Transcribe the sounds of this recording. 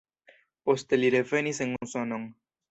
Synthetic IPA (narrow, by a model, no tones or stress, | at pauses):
post̪eliɾefeniseŋusɔnoŋ